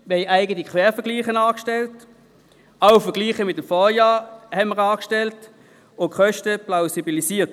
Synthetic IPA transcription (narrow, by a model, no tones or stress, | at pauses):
mɛɪæɪɡətikʰʋɛːɐfəɐɡliːχənaːkʃtɛlt | aʊfɐɡ̥liːχəmɪtəmfɔːjaːʁhɛnməʁɑːkʃtɛlt | okχœʃtəplaʊsibilisiːɐt